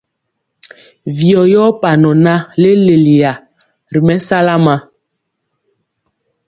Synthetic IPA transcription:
vi˨ɔ˨jɔ˦pa˨nɔ˨na˦le˦le˨li˨ja˨ | ɾi˨mɛ˦sa˦la˦ma˦

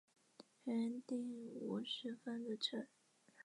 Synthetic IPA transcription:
ɛ˧˥nt̪i˥˩ŋu˧˥ʂɻ̩˧˥fə˥nd̪ə˨ʈ͡ʂʰə˨˩˥n

